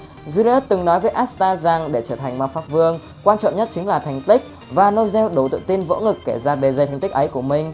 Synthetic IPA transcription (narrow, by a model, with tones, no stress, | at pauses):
zu˧lt̚t̪ɨ˨˩ŋnɔ˨˦jvəː˨˦jʔaː˦˥t̚st̪aː˧za˨˩ŋɗe˧˩t͡ɕəː˧˩t̪ʰa˨˩jŋmaː˨˩faː˦˥p̚vɨ˧əŋ | kwaː˧nt͡ɕɔ̰˧˨ŋ͡mɲə˦˥t̚t͡ɕï˨˦ŋ̟laː˨˩t̪ʰɛ˨˩jŋ̟t̪ï˦˥k̟̚ | vaː˨˩no˧zɛ˧wɗo˧˩t̪ɨ̰˧˨t̪i˧nvo̰˧˥ŋɨ˨˩kːe˧˩zaː˨˩ɗe˨˩zə˨˩t̪ʰɛ˨˩ŋ̟t̪i˦˥k̚ʔə˨˦jku˧˩əmï˨˩ŋ̟